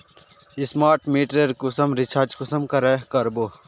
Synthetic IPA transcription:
ismaːɾʈmiːʈɾeɾkusɐmɾit͡ʃʰaːɾt͡ʃkʊsəmkɐɾɛːkɐɾbo

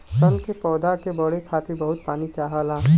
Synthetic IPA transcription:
sənkepɔːd̪akebəɽ̤ekʰaːt̪ɪɾbəɦʊt̪̚paːnit͡ʃaːɦalaː

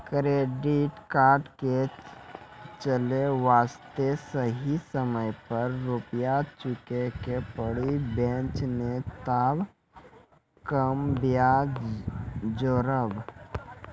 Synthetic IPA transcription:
kɾeːɖɪʈkaːɾʈke | t͡ʃəleʋaːst̪esəɦisəməjpəɾːʊpjat͡ʃʊkekepəɽibẽːt͡ʃnet̪aːb | kəmbja | d͡ʒoːɾəb

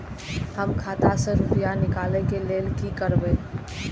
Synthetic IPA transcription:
ɦəmkʰaːt̪aseɾʊpjanɪkaːlekeleːlkikəɾbe

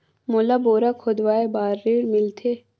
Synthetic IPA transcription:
moːlaboːɾakʰod̪ʋaːebaːɾːeːɽmɪlt̪ʰeː

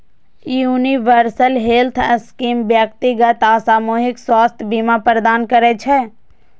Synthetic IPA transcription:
uːniʋəɾsəlɦelt̪ʰəskiːmbjəkt̪iɡət̪asaːmuːɦɪkswaːst̪ʰjbiːmapɾəd̪aːnkəɾet͡ʃʰe

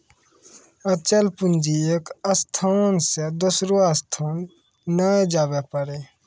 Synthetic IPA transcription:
ət͡ʃəlpʊnd͡ʒieːkəst̪ʰansed̪ʊsɾoast̪ʰaːnː | əed͡ʒaːwepəɾe

